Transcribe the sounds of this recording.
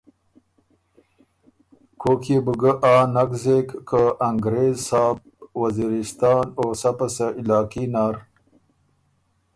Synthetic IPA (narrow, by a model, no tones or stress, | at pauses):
kʰokʰebuɡəʔaːnakzeːkːəaŋɡɾeːzsaːb̚ | waziɾɪst̪ɑːnoːsapasaʔilɑːkinaːɾ